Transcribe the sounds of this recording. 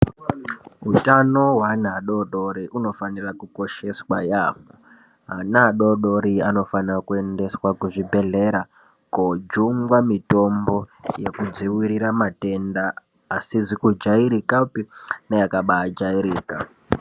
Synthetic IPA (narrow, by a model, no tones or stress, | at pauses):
ɦutano̞ɦwanaɗo̞ɗo̞ɾiʔuno̞fanirakuko̞ʃe̞swajaːmo | ɦanaɗo̞ɗo̞ɾiano̞fanrakue̞nde̞swakuʐibʱe̞ɮe̞ɾa | kod͡ʒuŋɡwamito̞mbo̞jekud͡ziwiɾiɾamate̞ndaː | sizikud͡ʒaiɾikapinajakaɓaad͡ʒaiɾiːka